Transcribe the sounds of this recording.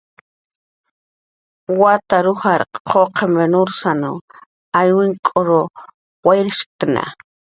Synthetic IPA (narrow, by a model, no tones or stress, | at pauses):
wat̪aɾʊxaɾqʰoqʰemenʊɾsano | ajwɪŋkʼoɾo | wajɾɪʃ̚t̪na̰